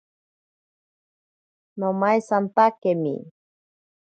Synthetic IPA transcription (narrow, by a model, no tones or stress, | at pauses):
nomajsant̪akemḭ